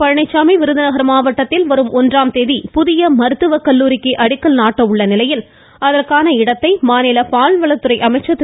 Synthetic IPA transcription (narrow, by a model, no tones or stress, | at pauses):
pɐɻɐɳɐɪt͡ʃːaːmɐɪʋɪɾɯðɐnɐɣɐɾɐmaːʋɐʈːɐt̪ːɪlʋɐɾɯmʔɔndraːmt̪eːðipʊðɪjɐmɐɾɯt̪ːɯʋɐkɐlːuːɾɪkːɯʔɐɽɪkːɐlnaːʈːɐɯɭːɐnɪlɐjɪl | ɐðɐrkaːnɐɪɽɐt̪ːɐɪmaːnɪlɐpaːlʋɐɭɐt̪ːɯɾɐɪʔɐmɐɪt͡ʃːɐt̪ː